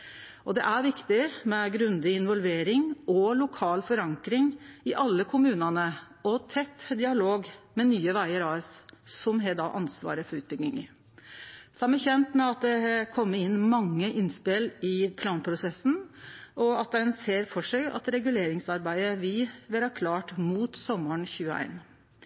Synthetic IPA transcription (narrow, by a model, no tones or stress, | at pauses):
ʔɔd̪ɛ̰ʔæɾʋɪkt̪ɪmɛɡɾʉnd̪ɪɪnʋɔlʋeːɾɪŋɔlʊkʰɑːlfɔɾɑŋkɾɪŋɪʔɑlːəkʰʊmʉːnɑnə | ɔt̪ʰɛt̪ːd̪ɪɑloːɡmɛnyːəʋæɪəɾɑɛssɔmɦɛd̪ɑ̰ːʔɑnsʋɑ̰ːɾəfɔɾʉːt̪̚bɪk̪ɪŋə | sɔæɪmæɾçɛnt̪mɛɑt̪̚d̪ɛhɛkʰɔmːəɪnːmɑŋːəʔɪnspɪlɪpʰlɑːnpʰɾʊsɛsːn̩ʔɔɑt̪̚d̪ænseːɾfɔʂæɪɑ̰t̪ɾɛɡʉleːɾɪŋsɑɾbæɪəʋɪʋɪlɑkʰlɑːʈmuːt̪sɔməɳçʉːəæ̰ɪn